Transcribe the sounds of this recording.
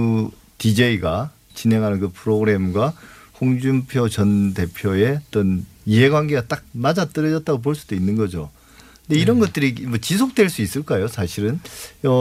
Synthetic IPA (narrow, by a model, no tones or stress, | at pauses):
ɯ | tid͡ʑe̞iɡa | t͡ɕinɦe̞ŋɦanɯnkɯpʰɯɾoɡɯɾe̞mɡwaɸoŋd͡ʑumpʰjot͡ɕʌnde̞pʰjoe̞ʌt͈ʌniɦe̞ɡwanɡe̞ɡat͈ak̚mad͡ʑat͈ɯɾʌd͡ʑʌt̚t͈aɡop̬oɭs͈ud̥oinːɯnɡʌd͡ʑo | knde̞iɾʌnɡʌt̚t͈ɯɾimʌt͡ɕisʰok̚t͈we̞ɭs͈uis͈ɯɭk͈ajosʰaɕʰiɾɯnʌ